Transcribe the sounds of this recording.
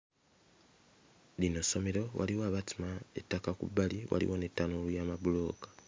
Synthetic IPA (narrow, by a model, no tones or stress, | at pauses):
linoso̞meɾo̞wʔa̰liwaβatimaḛtːakakṵbaliwʔa̰lḭwonetːanolujaːmaβulo̞ːkḁ